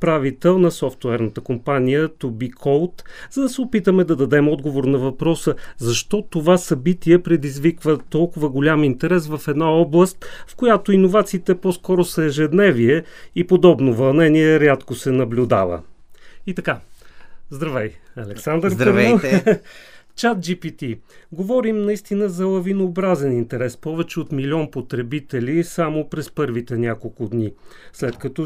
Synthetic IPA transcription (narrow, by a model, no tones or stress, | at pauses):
pɾavit̪ɛlˠnɐsɔft̪uɛɾnət̪əkompanijət̪obikʰɔlˠt̪zɐd̪ɐsɛʊpit̪əmɛd̪ɐd̪ɐd̪ɛmɔd̪ɡovoɾnɐvɐpɾɔsəzɐʃt̪ɔt̪ovasɐbit̪iɛpɾɛd̪izvikvət̪ɔlˠkʊvəɡolʲamint̪ɛɾɛsvɐfɛd̪naɔblˠəst̪fkojat̪ʊinovat̪siːt̪ɛpɔskɔɾosəɛʒɛd̪nɛviɛipod̪ɔbnovɐlˠnɛniɛɾʲat̪kosɛnɐblʲʊd̪a̰və̰it̪ɐka | zd̪ɾɐvɛjɐlɛksand̪ɾɛvo | t͡ʃat̪̚d͡ʒipit̪iɡovɔɾimnɐist̪inəzɐlˠɐvinoːbɾazɛnint̪ɛɾɛspɔvɛt͡ʃɛot̪milʲiɔnpot̪ɾɛbit̪ɛlʲisamopɾɛspɤɾvit̪ɛnʲakolˠkʊd̪nislɛt̪kɐt̪ɔ